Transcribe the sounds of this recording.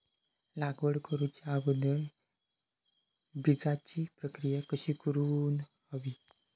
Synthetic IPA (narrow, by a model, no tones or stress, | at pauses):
laɡʋəɽkəɾut͡ɕaːbənə | bid͡zat͡ɕipɾəkɾijakəɕiːkəɾuːnhəʋi